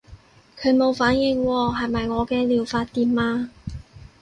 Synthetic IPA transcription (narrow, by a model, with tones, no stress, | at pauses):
kʰɵ˨˧ɥmo˨˧wfaː˨˥njɪ˨˧˩ŋwɔː˧ɦɐ˨jmɐ˨jŋɔː˨˧kɛː˧liː˨˩wfaː˧t̚t̪iː˨˧mmaː˧